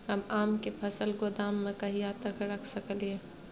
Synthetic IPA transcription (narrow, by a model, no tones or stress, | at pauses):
hɐmaːmkefʰɐsəlɡʊd̪aːmːẽkɐɦijaːt̪ɐkɾɐkʰsəklie